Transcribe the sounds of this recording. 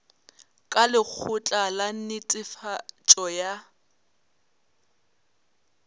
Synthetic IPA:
kʼalɪk͡xʰʊt͡ɬʼalan̩nɪt͡sʼɪfat͡ʃʼɔja

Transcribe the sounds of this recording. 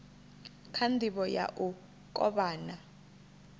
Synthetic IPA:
kʰandʱiɓɔja̰ʔu | k̬ʼɔ̰ɓaːna

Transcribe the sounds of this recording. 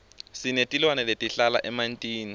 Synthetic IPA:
sinetʼilwanɛletʼiɬala̰ʔɛmantʼiːni

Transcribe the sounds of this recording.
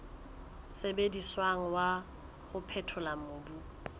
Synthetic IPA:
sebediswaŋ̩wa | ɣʊpʰɛtʰʊlamobu

